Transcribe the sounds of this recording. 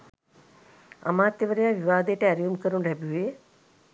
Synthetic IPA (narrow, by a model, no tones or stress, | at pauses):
a̰maːt̪jəʋəɾejaːʋiʋaːd̪əjʈəæɾijumkəɾuɳɖɦɛbue